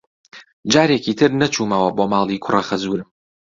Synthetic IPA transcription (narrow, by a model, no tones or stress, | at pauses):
d͡ʒaːɾeːkiːt̪ʰɨɾnɐt͡ʃʰuːmɐwɐboːmaːlˠiːkʰʊrɐxɐzuːɾɨm